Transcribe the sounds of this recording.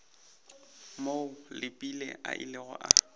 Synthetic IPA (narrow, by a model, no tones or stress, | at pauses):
moʊlɪpʼilɛ̰ʔa̰ʔɪ̰lɪɣɔ̰ʔa